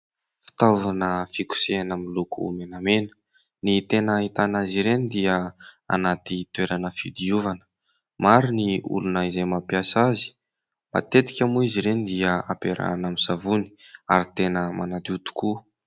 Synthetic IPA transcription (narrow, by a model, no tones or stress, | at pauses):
fi̥t̪auvanəfiku̥seanamilukṵmenamenə | nit̪enəit̪anaziɾenid̪iəa̰nat̪it̪ueɾanəfid̪iuvanə̥ | maɾiniṵlunəizejmapjasazi̥ | ma̰t̪et̪i̥kʲəmuiziɾenid̪iəapeɾa̰namiz̥avuni̥aɾit̪enəmanat̪iut̪u̥ku